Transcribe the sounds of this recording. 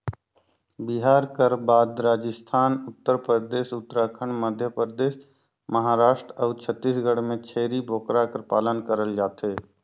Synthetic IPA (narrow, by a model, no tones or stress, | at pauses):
bɪɦaːɾkəɾbaːd̪ɾaːd͡ʒɪst̪ʰaːnʊt̪ːəɾpɾəd̪eːʃʊt̪ːɾaːkʰəɳməd̪ʱjəpəd̪eːʃ | məɦaːɾaːʃʈɾəːt͡ʃʰət̪ːiːsɡəɽmẽt͡ʃʰeːɾibʱoːkɾakəɾpaːlənkəɾəld͡ʒaːt̪ɦeː